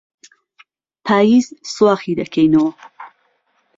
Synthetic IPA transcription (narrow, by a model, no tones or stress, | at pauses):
pʰaːjiːzswaːxid̪ɐkʰɛjnɐwɐ